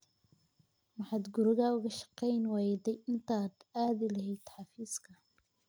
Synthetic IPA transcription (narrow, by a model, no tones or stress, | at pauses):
mɑħɑːd̪ɡʊɾɪɣaʊɣɐʃɑ̥qɛjnwaːjd̪ɛjʔɪnt̪ʰaːd̪aːðɪlɐɦɛjd̪ħɑfiːskʰɐ